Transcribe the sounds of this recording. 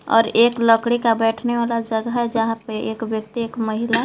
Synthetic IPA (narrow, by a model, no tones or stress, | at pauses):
ɔ̰ːɾeːkləkɽikabɛːʈʰneʋaːlad͡ʒəɡəɦɛd͡ʒəɦãpeʔeːkʋjək̚t̪ieːkməɦila